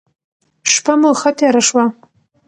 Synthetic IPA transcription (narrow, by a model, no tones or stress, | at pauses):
ʂpʰɐmɨlχɐtʰjaɾɐʂwa